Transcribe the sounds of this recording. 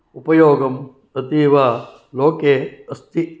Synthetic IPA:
upɐjoːɡɐm | ɐt̪iːʋaː | loːkeːɐst̪i

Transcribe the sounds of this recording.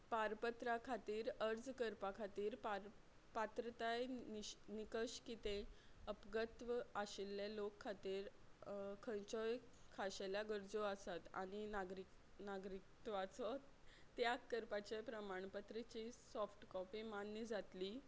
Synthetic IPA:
paɾpət̪ɾakʰat̪iːɾəɾd͡zkəɾpakʰat̪iːɾpaɾ | pat̪ɾət̪ajnikəɕkit̪ẽəpɡət̪ʋaɕilːelokʰːat̪iːɾ | kʰə̃nt͡ɕɔjkʰaɕeljaɡəɾd͡zoəsat̪a̰ɽ̃inaɡɾi | naɡɾik̚t̪ʋat͡sɔt | t̪ːjakːəɾpat͡ɕepɾəmaɳpət̪ɾet͡ɕisɔfʈkɔpimanːəd͡zat̪li

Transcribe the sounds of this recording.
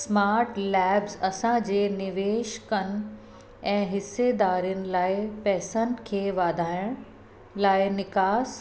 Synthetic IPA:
smaːɾʈlɛːbzɐsãd͡ʑeːnɪʋeːʃkən | ɛ̃ːɦɪsed̪aːɾijʊnɪ̆laːɪpɛːsənkʰeːʋaːd̪ʱaːjəɽ̃ | laːɪnɪkaːs

